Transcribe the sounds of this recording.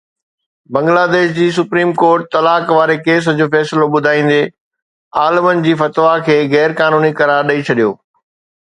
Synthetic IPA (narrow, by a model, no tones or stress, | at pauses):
bɐ̃ŋɡlaːd̪eːʃd͡ʑiːsʊpɾiːmkoːɾʈ̚t̪ɐlaːkʋaːɾekeːs̬əd͡ʑoːfɛːsɪloɓʊd̪ʱaːĩːn̆d̪eː | aːləmənɪ̆d͡ʑiːfɐt̪ʋakʰeːɣɛːɾkaːnuːnikɐɾaːɾɗɐit͡ɕʰɐɗijo̰ː